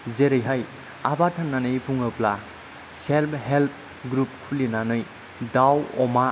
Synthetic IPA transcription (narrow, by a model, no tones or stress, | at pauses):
zeɾɯjɦaj | abatʰanːanɯjpʰuŋɯpla | selpʰɦelp̚ʰ | ɡɾup̚kʰulinanɯj | dawɔma